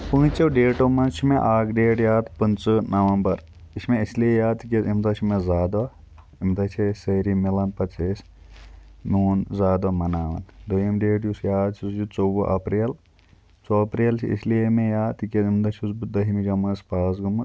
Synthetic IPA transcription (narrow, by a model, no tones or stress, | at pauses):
pũːt͡ʃɐwɖeːʈomɐnt͡ʃʰimẽʔaːkɖeːʈjaːd̪pɐnt͡sɨnɐʋɐmbɐɾ | iʃmẽislijejaːd̪t̪ikʲeimd̪ɐt͡ʃʰimẽzaːd̪ʋa | imd̪ɐt͡ʃʰisɐɾimilɐnpɐt͡ʃʰeːs | muːnzaːd̪ɐmɐnaːʋɐ̰nd̪ojɐmɖeːʈjusjaːd̪t͡ʃʰusd͡ʒut͡soːbuʔɐpɾil | t͡soɐpɾiːlt͡ʃʰḭḭslijemẽjaːt̪ikʲeimd̪ɐt͡ʃʰusbud̪ɐɦimid͡ʒɐmɐspaːs̬ɡumɨ